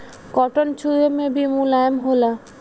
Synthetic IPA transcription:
kɔʈont͡ɕuemebimulajmɦola

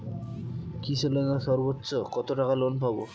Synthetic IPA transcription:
kit͡ɕʰelenaʃɔɾbotːɕokɔt̪oʈakalonpabo

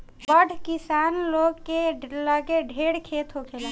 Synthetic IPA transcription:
bbəɖʱkisaːnloɡkeləɡeɖʱeɽkʰeːt̪ɦokʰel

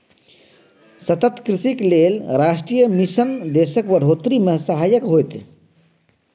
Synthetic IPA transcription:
sɐt̪ət̪kɾisikleːlɾaːsʈɾijəmisənd̪eːsəkʋəɽʱoːt̪ɾimesɐɦaːjəkɦojt̪

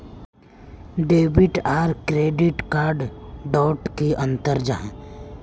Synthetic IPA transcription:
ɖeːbɪʈaːɾkɾeːɖɪʈkaːɾɖɖɔːʈkiʔɐ̃nt̪əɾd͡ʒa̰ɦɛ̃

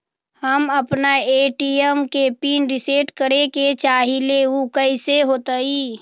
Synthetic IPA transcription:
həməpnaeːʈiəmkepiːnɾɪseːʈkəɾeket͡ʃaːɦileukəiseɦoːt̪əiː

